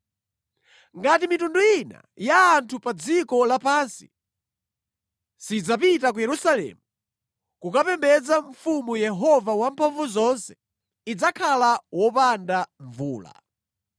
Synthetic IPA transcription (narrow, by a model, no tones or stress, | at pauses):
ŋɡatimitunduina̰jaːntʰupad͡zikɔlapaːnsi | sid͡zap̬itak̬ujɛɾusalɛ̰ːmu | kukapɛmbɛd͡zaɱfumujɛɦɔvawampʰaɱvuzɔnsɛ̥ | id͡zakʰalawɔpandaɱvuːla̰